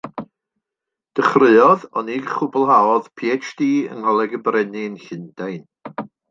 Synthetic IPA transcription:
d̥əχrɨɔðɔniɡχʊbɔlˠɦaɔð̥pʰiɛt͡ʃdiːə̰nɔlˠɛɡəbrɛnɪnɬɪnd̥ajn

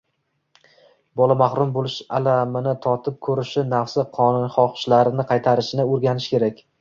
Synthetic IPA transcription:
bɒlˠamaχɾʊmbolˠɪʃa̰lamɪnɪt̪ʰɒt̪ʰɪp̚kʰɵɾɪʃɪnafsɪqʰɒnʊnχɒχʃlaɾɪnɪqʰɑjt̪ʰaɾɪʃɪnɪɵɾɡʲanɪʃkʲʰe̞ɾakʲ

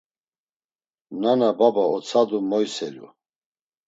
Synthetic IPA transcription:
nanababaɔt͡sʰad̪umɔjsɛlṵ

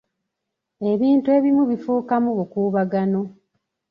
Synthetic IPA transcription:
e̞βiːntue̞ːβimuβifuːkamuβukuːβaɡano̞

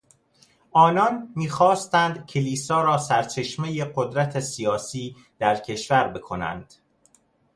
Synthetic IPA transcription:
ʔɒːnɒnmiːxɒːst̪ænd̪cʰeliːsɒːɾɒːsæɾt͡ʃʰe̞ʃmejeɢod̪ɾæt̪ʰesijɒːsiː | d̪̥æɾcʰe̞ʃvæɾbe̞kʰo̞næ̰nd̪̥

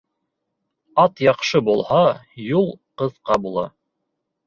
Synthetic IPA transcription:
ɑt̪jɑqʃɤbulˠhɑjulˠqɤ̆ðqɑbulˠɑ̰

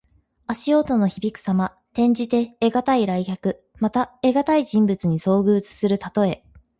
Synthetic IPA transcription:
aɕio̞ːt̪o̞no̞çibʲikɯ̟̥sama | t̪ẽ̞ɲ̟d͡ʑit̪e̞ːɡat̪aiɾaikʲakɯ̟ | mat̪ae̞ɡat̪aiʑĩmbɯt͡sɨɲ̟iso̞ːɡɯ̟ːt͡sɨ̥sɨɾɯ̟t̪at̪o̞e̞

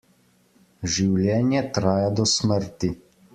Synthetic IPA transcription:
ʒiwlʲjɛːnjɛt̪ɾaːjad̪ɔsməɾt̪i

